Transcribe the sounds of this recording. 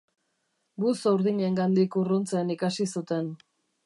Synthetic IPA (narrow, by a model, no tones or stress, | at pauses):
busawɾðiɲe̞ŋɡand̪ikurunt͡seːnikasisut̪e̞n